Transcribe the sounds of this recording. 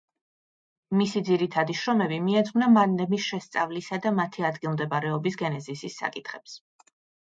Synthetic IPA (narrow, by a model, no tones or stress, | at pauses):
misid̪ziɾit̪ʰad̪iʃɾɔmɛbimiɛd̪znamanlɛmisʃɛst̪sʼa̰vlisad̪amat̪ʰiad̪ɡilˠmd̪ɛbaɾɛɔbisɡɛnɛzisisːa̰kʼit̪ʰχɛps